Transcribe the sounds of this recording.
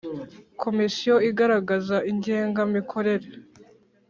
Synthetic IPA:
kʰo̞misijo̞iɡaɾaɡazaʔiɲɟe̞ːŋɡamikʰo̞ɾe̞ɾe̞

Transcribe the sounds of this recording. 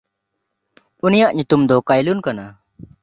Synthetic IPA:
unijaʔɲut̪umd̪ɔkajlunkana

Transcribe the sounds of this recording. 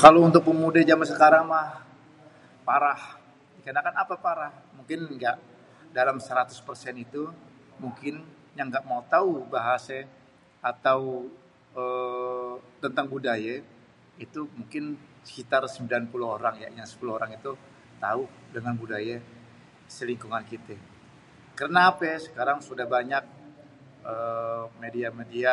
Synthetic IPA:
kalount̪ʊk̚pəmudad͡ʒamansəkaɾaŋmah | paɾah | dikanakanapapaɾah | muŋkɪnŋɡaʔ | dalamsəɾat̪ʊ̥spərsɛnit̪u | muŋkɪn | jaŋɡaʔmaut̪aubaɦasa | at̪aw | ə | t̪ənt̪aŋbudaja | it̪umuŋkɪnsə̥kit̪arsəmbilanpuluoɾaŋja̰jaŋsə̥puluoɾaŋit̪u | t̪au | dəŋanbudaja | səliŋkuŋankit̪ɛ | kərnaːpɛsə̥kaɾaŋsudahbaɲak̚ | əmediamedia

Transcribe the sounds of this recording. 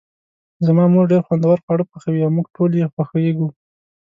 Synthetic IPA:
zamɑmuɖeɾxwand̪awaɾxwɑɽəxaxawiawmuɡʈʰoljexwaxəjeɡu

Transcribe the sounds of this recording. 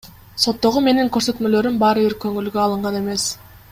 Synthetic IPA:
so̞t̪ːo̞ʁume̞niŋkøɾsø̞t̪mø̞lø̞ɾymbɑɾɯbiɾkʰø̞ŋylɡøɑlˠɯɴʁɑne̞me̞s

